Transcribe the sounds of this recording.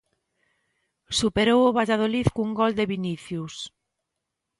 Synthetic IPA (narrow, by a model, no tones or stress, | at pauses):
supeɾowoβaʎaðoliθkuŋɡɔld̪eβiniθjus